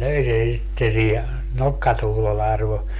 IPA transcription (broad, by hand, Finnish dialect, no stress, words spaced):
løi sen̞ sitːe siːhe nokːɑtuhlolːe ɑrʋo